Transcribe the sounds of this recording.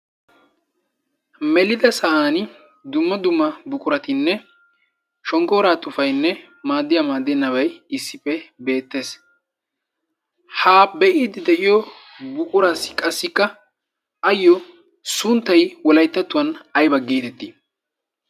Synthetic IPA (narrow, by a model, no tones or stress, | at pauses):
mɛlɪd̪ɐsɐʔaːn | d̪ʊmːɐd̪ʊmːɐbʊkʼʊɾɐt̪ɪnːɛ | ʃɔŋkɔːɾaːt̪ʼʊfɐjnːɛ | maːd̪ːɪjamaːd̪ːɛnːɐβɐjɪsːɪpːɛbe̞ːt̪ːe̞ːs | haːbɛʔiːd̪ɪd̪ɛʔɪjɔ | bʊkʼʊɾasɪkʼɐsːɪkːɐ | ɐjːɔ | sʊnt̪ːɐjwɔlɐjt̪ːɐt̪ːʊwɐnɐjbɐɡiːt̪ɛt̪ːi